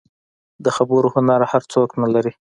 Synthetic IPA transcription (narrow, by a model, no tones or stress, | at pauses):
d̪əxabəɾohʊnaɾahaɾt͡soknalaɾi